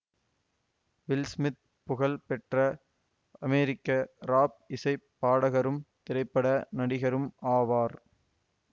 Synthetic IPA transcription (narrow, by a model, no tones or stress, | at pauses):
ʋɪlsmɪt̪̚ | pʊɣɐɭpɛʈrɐ | ɐmeːɾɪkːɐɾaːp̚ɪsɐɪpːaːɽɐɣɐɾɯmt̪ɪɾɐɪpːɐɽɐnɐɽɪɣɐɾɯmaːʋaːɾ